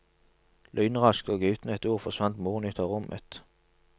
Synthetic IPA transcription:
lʔœʏnəʁɑsk̪oːɡʉːt̪n̩ɛt̪uːʁfɔsʋɑnt̪muːʁnʏt̪ʰəʁʊmʔə̰t̪

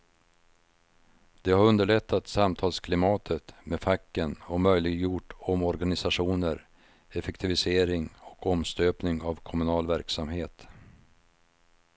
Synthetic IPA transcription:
d̪̥ɛhaɾɵnd̪əɭɛt̪ʰːat̪samt̪ʰɑːlskʰlɪmɑːt̪ʰət̪mefakːənɔmœjlɪɡjuʈːɔmɔɾɡanɪsaɧuːnəɾ | ɛfɛkt̪ʰɪvɪseːɾɪŋɔkɔmst̪øːpnɪŋavkʰɔmɵnɑːlvæɾksamɦeːt̪

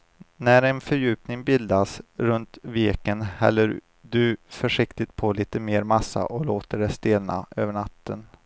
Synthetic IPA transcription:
næɾɛnfœɾjʉ̟ːpnɪŋbɪld̪asɾɵnt̪veːkənhɛ̰lːəɾ | d̪ɵfœʂɪkt̪ɪt̪̚pʰɔliːt̪əmeːɾmasːa̰ʔɔloːt̪əɖɛst̪eːlna̰øːvəɳat̪ʰːən

